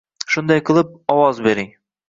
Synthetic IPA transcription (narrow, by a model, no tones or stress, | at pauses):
ʃund̪ɑjqɤ̆lˠɤp̚ɒwɑzbiɾiŋ